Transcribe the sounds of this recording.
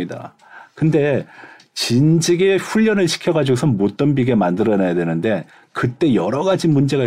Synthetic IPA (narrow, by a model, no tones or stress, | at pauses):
ida̰ | kɯnde̞ | t͡ɕind͡ʑiɡeɸuʎːʌnɯɭɕʰi̥kʰjʌɡad͡ʑiɡosʰʌnmot͈ʌnbiɡe̞mandɯɾʌnajadwe̞nɯnde̞ | kɯt͈e̞jʌɾʌɡad͡ʑimund͡ʑe̞ɣa